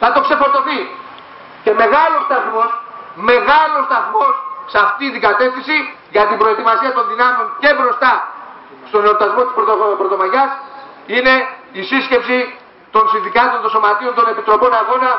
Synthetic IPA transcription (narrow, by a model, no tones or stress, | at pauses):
θɐt̪o̞kse̞fo̞ɾt̪o̞θi | ce̞me̞ɣɐlo̞st̪ɐθmo̞sme̞ɣɐlo̞st̪ɐθmo̞ssɐft̪it̪iɡɐt̪e̞fθisi | ʝɐt̪imbɾo̞e̞t̪imɐsiɐt̪o̞nðinɐmeo̞nce̞bɾo̞st̪ɐ | st̪o̞neop̚t̪ɐzmo̞t̪ispɾot̪oopɾo̞t̪o̞mɐʝɐs | ine̞ | isisce̞psi | t̪o̞nsinθikɐt̪o̞nt̪o̞somɐt̪io̞nt̪o̞ne̞pit̪ɾo̞po̞nɐɣo̞nɐ